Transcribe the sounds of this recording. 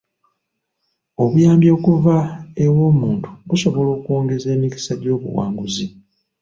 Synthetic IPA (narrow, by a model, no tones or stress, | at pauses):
o̞βujaːmbjoːkuvaewo̞ːmuːntʰu̥ɡuso̞βo̞lo̞ːkuo̞ːŋɡe̞ze̞ːmiki̥saɟo̞ːβṵwa̰ːŋɡuzi